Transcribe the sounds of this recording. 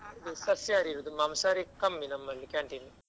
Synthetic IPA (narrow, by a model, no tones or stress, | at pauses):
d̪isɐsjaːɾiɾud̪umamsaːɾikɐmːinɐmːɐnːikaːɳʈini